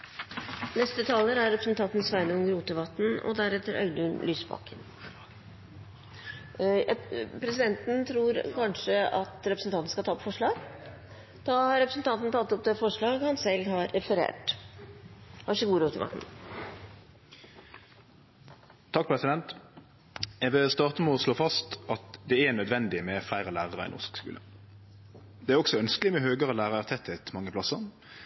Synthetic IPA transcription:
nɛst̪ət̪ʰɑːləɾæɾɛpɾəsnt̪ʰɑnt̪n̩sʋæɪnəɔmɾuːt̪əʋɑt̪n̩ɔ̰d̪æɾɛt̪ːəɾœ̰ʏd̪ʉnlʔyːsbɑ̰kən | pʰɾɛsɪd̪ɛnt̪n̩t̪ʰɾuːɾkɑnʂəɑt̪ɾɛpɾsn̩t̪ɑnt̪n̩skɑt̪ʰɑːɔpfɔʂɭɑːɡ | d̪̥ɑːhɑɾɛpɾəsn̩t̪ʰɑnt̪n̩t̪ʰɑt̪ːɔp̚d̪ɛːfɔʂɭɑːɡhɑnsɛlːɦɑɾɛfəɾḛːʈ | hɑɪçəɡuːɾuːt̪ʰɪmɑ̰n | t̪ʰɑk̚ːpʰʁɛsɪd̪ɛnt̪ | ɛʋɪlst̪ɑːʁt̪əmɛɔsloːfɑst̪ʔɑt̪d̪ɛænœd̪ʋɛnd̪ɪmɛflæɪʁəlæːʁəʁəɪ̰ːnɔ̰ʂkskʉ̰ːlʔə̰ | d̪ɛæːɾɔksɔœnskəlɪmɛɦøːɡəʁəlæːʁəæʁt̪ʰɛt̪ʰːɛt̪ʰmɑŋːəpʰlɑsəʁ

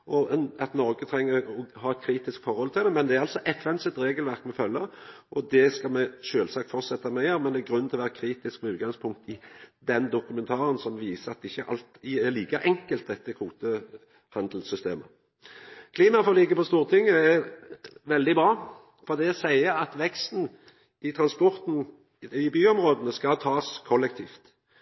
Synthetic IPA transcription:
ʔɔɑt̪nɔɾɡət̪ʰɾɛŋːəɾɔhɑːɛt̪̚kʰɾiːt̪ɪskfɔɾhɔlt̪ʰɪld̪ɛmɛnd̪ɛæɾɑlsɔʔɛt̪ʋɛnsət̪ɾeːɡəlʋæɾkmɛfœlːəɾʔɔd̪ɛskɑlmɛʃøːlsɑkt̪fɔt̪sɛt̪ːɑmɛæɾmɛnd̪ɛɡɾʉnɪlɔʋæːɾəkʰɾiːt̪ɪskmɛʉːt̪̚ɡɑŋspʰʊŋk̚t̪ɪd̪ɛnd̪ʊkʉmɛnt̪ʰɑːɾənsɔmʋiːsəɑt̪d̪ɪçːəʔɑ̰lt̪ɪɛliːkɑʔɛŋkəlt̪̚d̪ɛt̪ːəkʰuːt̪ə | hɑnd̪l̩sʏst̪eːmə | kʰliːmɑfɔʁlɪɡːəpɔst̪uːʁət̪ʰɪŋːəɛ | ʋɛld̪ɪbɾɑː | fɔʁd̪ɛɔsæɪəɑt̪ʋɛkst̪n̩ | ʔɪt̪ʰɾɑnspɔʁt̪n̩ | ɪbyːɔmʁoːd̪ənəskɑt̪ʰɑːskʰɔlːɛk̚t̪ʰiːft̪

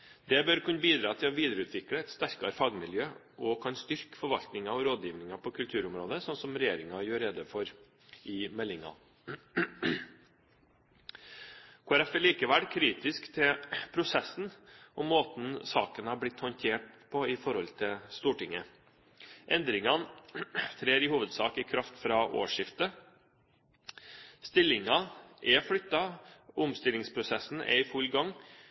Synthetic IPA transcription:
d̪ɛbøɾkʉnəbiːd̪ɾɑːt̪ʰɪlɔʋiːd̪əɾəʉːt̪ʰʋɪkɽəɛt̪st̪æɾkɑɾfɑːɡmɪljøː | ʔɔkʰɑnst̪ʏɾkfɔɾʋɑlt̪nɪŋɑɔɾoːd̪jiːʋnɪŋɑpʰɔkʰʉlt̪ʰʉːɾʊmɾoːd̪əsɔnsɔmɾɛjeːɾɪŋɑjøːɾɛd̪əfɔɾ | ɪmɛlːɪŋɑ̰ | kʰoːæɾɛfɛliːkəʋæɽkʰɾiːt̪ɪskt̪ʰɪpʰɾʊsɛsːn̩ʔɔmoːt̪n̩sɑ̰ːkənæːblɪt̪hɔnt̪ʰeːʈ̚pʰɔɪfɔɾhɔlt̪ʰɪlst̪uːʈɪŋə | ʔɛnd̪ɾɪŋɑnt̪ʰɾeːɾɪhuːʋəd̪sɑːkɪːkʰɾɑft̪fɾɑːʔo̰ːʂɪft̪ə | st̪ɪlɪŋɑʔɛfɽʏt̪ːɑʔʊmst̪ɪlɪŋspʰɾʊsɛsn̩ɛ̰ɪfʉlɡɑŋ

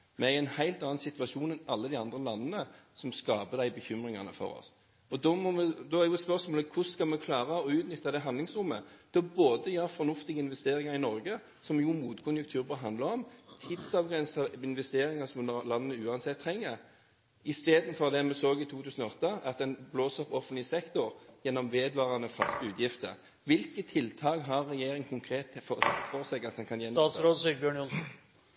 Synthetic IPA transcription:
mɛæɪɛnhæɪlt̪ɑːɑnsɪt̪ʋɑʂuːnɛnɑlːəd̪ɪɑnd̪ʁəlɑnːənəsɔmskɑːbəd̪æɪbəçʏmɾɪŋɑnə̰fɔ̰ɾɔ̰s | ɔd̪ɔmɔmɛd̪ɔæɾjʊspœʁsmoːləkʰʊskɑlmɛkʰlɑːʁɑɔʉːt̪nʏt̪ːɑd̪ɛɦɑnd̪lɪŋsɾʊmːə̰d̪̥ɔboːd̪əjœːɾfɔnʊft̪ɪɡəɪnʋɛst̪eːɾɪŋɑɾɪnɔɾɡə | sɔmjumuːt̪kʰʊnjʉkt̪ʰʉːɾbɑːɦɑnd̪ləɔmt̪ʰɪd̪sɑʋɡʁɛnsɑɪnʋɛst̪eːɾɪŋɑsɔmlɑnːəəʉːɑnsɛt̪ʰːʁɛŋːəɾ | ɪst̪eːd̪n̩fɔʁd̪ɛmɛsoːɡɪt̪ʰuːt̪ʰʉːsən̩ɔɔt̪ːəɑt̪̚d̪ɛnbloːsɔpɔfənlɪəsɛkt̪ʊɾjɛnːɔmʋeːd̪ʋɑːʁɑnəfɑst̪əʉːt̪jɪft̪ə̰ʁ | ʋɪlkət̪ʰːɪlt̪ʰɑːkɦɑʁːɛjeːɾɪŋkʰʊŋkʰɾeːt̪fɔʁsɛɡɑt̪̚d̪ɛnkʰɑnjɛnːɑːɾoːd̪siɡbjøːɳɔ

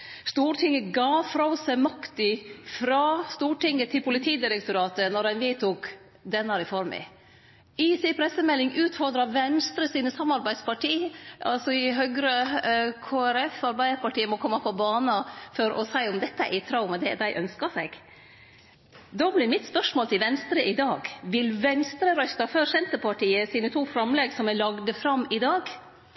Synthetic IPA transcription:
st̪uːʈʰɪŋːəɡɑːfɾɑsæmɑkt̪ɪfɾɑst̪uːʈɪŋːət̪ʰɪlpʰʊlɪt̪ʰiːd̪ɪɾɛkt̪ʊɾɑːt̪ənɔɾɛnʋɪt̪ʰuːk | d̪ɛnːɑɾɪfɔɾmɪ̰ | ɪsɪpʰɾɛsəmɛlːɪŋʉːt̪fɔɾd̪ɾɑʋɛnst̪ɾəsiːnəsɑmːɑɾbæɪd̪spɑʈiːʔɑ̰lsɔɪɦœɡɾəkʰoːæɾɛfɑɾbæɪd̪əɾpɑʈiːəmɔkʰɔmːɑpʰɔbɑːnɑfɔɾɔ̰sæɪʊmd̪ɛt̪ːəæt̪ʰɾɑʊmɑd̪ɛd̪æɪʔœnskɑsɛɡ̥ | d̪oblɪɾmɪt̪spœʂmoːlt̪ʰɪlʋɛnst̪ɾəʔɪd̪ɑːɡʋɪlʋɛnst̪ɾəɾœst̪ɑføɾsɛnt̪əpʰɑʈiːəsiːnət̪ʰuːfɾɑmlɛːɡsɔmælɑɡd̪əfɾɑmɪd̪ɑːɡ

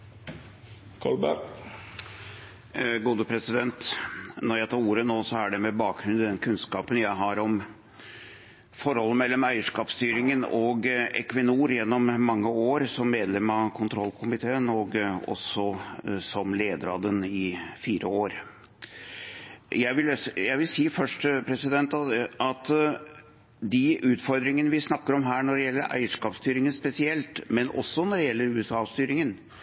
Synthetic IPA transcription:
kʰɑ̰ɭbæ̰ɾ | ɡuːd̪əpʰɾɛsɪd̪ɛnt̪nɔɾjæɪt̪ʰɑːɾuːɾənoːsɔæɖɛmɛbɑːk̚ɡɾʉnɪd̪ɛnkʰʉnskɑːpənjæɪɦɑɾɔm | fɔɾhɔlːəmɛlːɔmæɪəʂkɑːpst̪yːɾɪŋənɔɡɛ̰kʋɪnuːɾjɛnːɔmːɑŋːəoːɾsɔmːeːd̪lɛmɑkʰʊnt̪ʰɾɔlːkʰʊmɪt̪ʰeːənɔɡɔ̰sɔsɔmleːd̪əɾɑd̪ənɪfiːɾʔəoːɾ | jæɪʋɪljæɪʋɪlsiːfœʂʈpʰɾɛsɪd̪ɛnt̪ɑt̪ | d̪ɪʔʉːt̪fɔɾd̪ɾɪŋənəʋɪsnɑkːəɾɔmɦæːɳɔɖɛjɛlːəɾʔæ̰ɪəʂkɑːpst̪yːɾɪŋənspɛsɪɛlt̪mɛnʔɔ̰sːɔnɔɖɛjɛlːəɾʉːɛsɑːst̪yːɾɪŋən

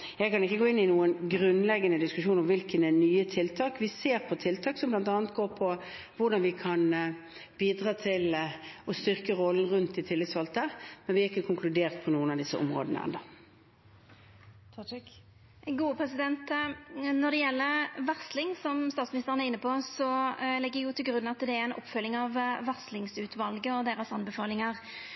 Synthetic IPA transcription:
jɛɡkʰɑnɪkːəɡoːɪnːɪnuːənɡɾʉnlɛɡːənəd̪ɪskʉʂuːnɔmʋɪlkənɛnyːət̪ʰɪlt̪ʰɑːkʋɪseːʁpʰɔt̪ʰɪlt̪ʰɑːksɔmblɑnt̪ɑːnət̪̚ɡoːpʰɔ | ʋʊɾɖ̪ɑnʋɪkʰɑn | b̥iːd̪ʁɑːt̪ʰɪlɔst̪ʏʁkəʁɔlːən̩ʁʉnt̪ɪt̪ʰɪlːɪt̪sʋɑlt̪əəʁmɛnʋɪæɾɪkːəkʰʊŋklʉd̪eːʁt̪̚pʰɔnuːənɑʋd̪ɪsəʔɔ̰mʁo̰ːd̪ənə̰ɛ̰nd̪ɑ | ɡuːəpʰʁɛsɪd̪ɛnt̪nɔd̪ɛjɛlːəʁʋɑʁslɪŋsɔmst̪ɑːt̪smɪnɪst̪ʁənæʁɪnːəpʰɔsɔlɛɡːəjʊt̪ʰɪlɡɾʉnːɑt̪d̪ɛæɾɛnʔɔ̰pːfœlːɪŋɑʋʋɑʁslɪŋsʉːt̪ʋɑlɡəɔd̪eːʁəsɑnbəfɑːlɪŋəʁ

